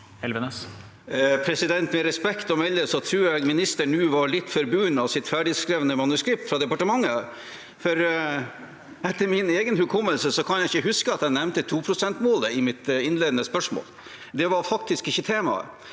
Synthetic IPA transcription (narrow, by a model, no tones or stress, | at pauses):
hɛlʋənəs | pʰɾɛsɪd̪ɛnt̪mɛɾɛspɛkt̪ɔmɛlːəsɔt̪ʰɾʉːɾjæɡmɪnɪst̪əɳʉːʋɑɾɭɪt̪ːfɔɾbʉːnɑʋsɪt̪fæɖɪskɾeʋənəmɑnʉskɾɪp̚t̪fɾɑd̪ɛpɑʈəmɑŋːə | fɔɾ | ɛt̪ːəɾmɪneːɡənhʉkʰɔmːəlsəsɔkʰɑnjæɪçəɦʉskəɑt̪ɛɪnɛmnt̪ət̪ʰuːpʰɾʊsɛnt̪moːləɪmɪt̪ɪnleːd̪ən̩əspœʂmo̰ːl | d̪ɛʋɑɾfɑk̚t̪ɪskɪçːət̪ʰeːmɑ̰ə̰